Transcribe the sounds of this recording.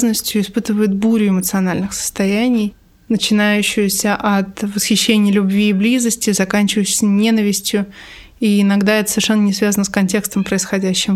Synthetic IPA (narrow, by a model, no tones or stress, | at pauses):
znəsʲtʲjʊɪspɨt̪ɨvəjɪt̪̚buɾʲʊɪmət̪sɨɐnalʲnɨxsə̥st̪ɐjænʲɪj | nət͡ɕɪnajʉɕːɪjʊsʲəʔɐt̪vəsxʲɪɕːenʲɪjəlʲʊbvʲiːblʲizəsʲtʲɪzɐkanʲt͡ɕɪvəjɕsʲənʲe̞nəvʲɪsʲtʲjʊ | iɪnɐɡd̪aɛt̪ə̥sə̥vʲɪrʂɛnːənʲɪsvʲazənəskɐnʲtʲe̞kst̪əmpɾəɪsxɐdʲæɕːɪm